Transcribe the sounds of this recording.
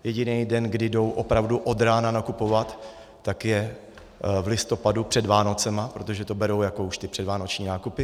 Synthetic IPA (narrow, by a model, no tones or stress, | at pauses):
jɛɟɪnɛjdɛnɡdɪdo̞wʔo̞pɾavduʔo̞d̪ɾaːnanakupo̞vat̪ː | akjɛ | vlɪst̪o̞padupr̝̥ɛdvaːno̞t͡sɛmapɾo̞t̪o̞ʒɛt̪o̞bɛɾo̞wjakouʃt̪ɪpr̥ɛdvaːnot͡ʃɲiːnaːkupɪ